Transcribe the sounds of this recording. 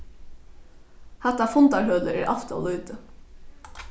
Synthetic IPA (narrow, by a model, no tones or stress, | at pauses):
hɛt̪ːafʊnt̪aɹɦœːləʔæ̰ɹʔa̰ft̪a̰ʋluːt̪ə